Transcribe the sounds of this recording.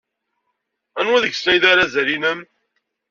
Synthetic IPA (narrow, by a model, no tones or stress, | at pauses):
ænwæðəɡsæjðaɾazæɾinəm